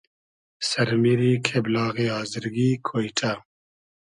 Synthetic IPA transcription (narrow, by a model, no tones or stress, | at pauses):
sɐɾmiɾiːkʰeblɑːɣeɦaːziɾɡikʰoːjʈʰa